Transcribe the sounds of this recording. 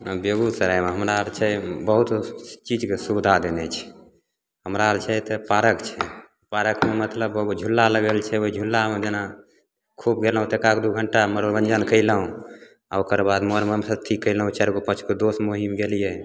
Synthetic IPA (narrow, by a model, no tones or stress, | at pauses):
beɡusəɾajmeɦəmɾaɾt͡ʃʰɛbəɦut̪t͡ʃid͡ʒkesubd̪ʱad̪enɛt͡ʃʰɛ̥ | ɦəmɾaɾt͡ʃʰɛt̪ɔpaɾəkt͡ʃʰɛ | paɾəkmemət̪ləbd͡ʒʱulːaləɡəlt͡ʃʰɛoɦid͡ʒʱulːamed͡ʒena | kʰubɡeləɦũt̪ekakd̪uɡʱəɳʈaməɾoɾbənd͡ʒənkəɪləɦũ | aokəɾbad̪moɾməmsəʈ̪ʰikːəjləɦũt͡ʃaɾɡopət͡ʃʰked̪osmoɦimɡelijɛ